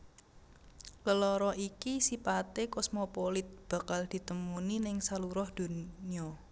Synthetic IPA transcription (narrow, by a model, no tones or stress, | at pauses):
ləlɔɾɔikisipat̪ekɔsmopolɪt̪̚b̥a̤kald̪̥i̤t̪əmuninɪŋsaluɾɔhd̪̥o̤niɔ